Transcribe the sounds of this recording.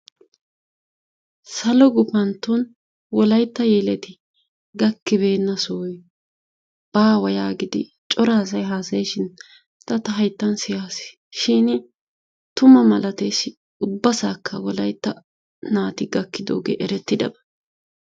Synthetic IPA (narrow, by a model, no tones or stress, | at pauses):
sɐlɔɡʊpɐnt̪ːun | wɔlɐjt̪ːɐjeːlɛt̪ɪ | ɡɐkːɪbe̞ːnːɐsɔːj | b̥aːwɐjaːɡɪd̪ɪ̰ | t͡ʃʼɔɾaːsɐjɦaːsɐjʃɪn | t̪ɐt̪ɐɦɐjt̪ːɐnsɪjaːsɪ̥ | ʃɪn | t̪ʊmɐmɐlɐt̪ejsɪ | ʊbːɐsaːkʰːɐwɔlɐjt̪ːɐ | naːt̪ɪɡɐkːɪd̪o̰ːɡḛːʔɛɾɛt̪ːɪd̪ɐ̰bɐ̥